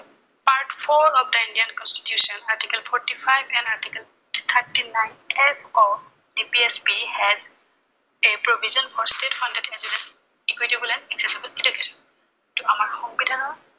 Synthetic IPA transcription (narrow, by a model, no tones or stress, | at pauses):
paɹtpʰɔɹɔpdəĩndiankɔ̃nsti̥tjusɔ̃naɹtikɛlpʰɔɹtipʰajbɛ̃naɹtikɛl | t̪ʰatinajnʰɛfɔ | d̥ipiɛsbihɛz | epɹobʱizɔ̃nfʰɔɹstetfʰãndɛdɛzilɛs | ikwitibɔlɛnɛksɛsibəlɛdukesɔn | tuamaɹxɔŋbidʱanɔ